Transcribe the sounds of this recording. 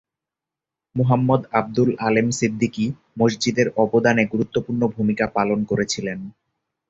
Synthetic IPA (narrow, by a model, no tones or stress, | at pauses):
muɦamːɔd̪ab̚d̪ulalemsid̪ːiki | mosd͡ʑid̪eɾɔbod̪aneɡuɾut̪ːopuɾnobʱumikapalonkoɾet͡ɕʰilen